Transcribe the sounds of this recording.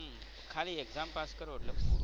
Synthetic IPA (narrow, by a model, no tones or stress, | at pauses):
kʰaliːeɡd͡zampaskəɾʋoʈlək